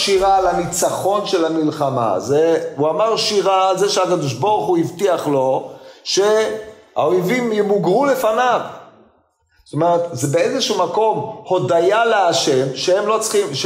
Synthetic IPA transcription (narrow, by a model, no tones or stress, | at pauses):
ʃiʁalanit͡saχo̞nʃe̞lamilχama̰zeuamaʁʃiʁazeʃeakad̪oʃboʁχuivt̪iaχlo̞ʃe̞a̰ojvimjemuɡʁule̞fanav | t̪omeʁet̪zebeezeʃumako̞mho̞dajaleaʃe̞mʃehemlo̞t͡sχimʃ